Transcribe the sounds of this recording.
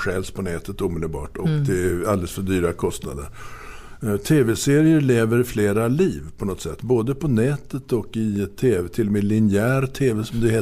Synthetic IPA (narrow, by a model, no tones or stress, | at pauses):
ɧɛːlspʰɔnɛːt̪ʰət̪uːmɪd̪əlbɑ̰ːʈɔkd̪ɛald̪ɛləsfœɖyːɾakʰɔst̪na̰d̪ə̰ɾ | t̪ʰeːvɛseːɾɪəɾɭeːvəɾfleːɾaliːvpʰɔnɔt̪sɛ̰t̪ːboːd̪əpʰɔnɛːt̪ət̪ɔkɪɛt̪ʰːeːvɛt̪ʰɪlːɔmɛlɪnɪæːɾt̪ʰeːvɛsɔmd̪ɛheː